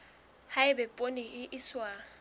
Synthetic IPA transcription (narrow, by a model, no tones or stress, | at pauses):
haɪbɛpʼoniɪʔɪswa